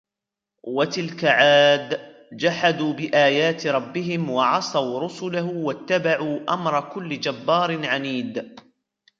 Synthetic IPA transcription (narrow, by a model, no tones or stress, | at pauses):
wat̪ɪlkaʕaːd̪ | d͡ʒaħad̪uːbɪʔaːjaːt̪ɾˤɑbːɪɦɪmwɑʕɑsˤɑwɾʊsʊlahʊwat̪ːabaʕuːʔamɾˤɑkʊlːɪd͡ʒabːɑːɾˤɪnʕaniːd̪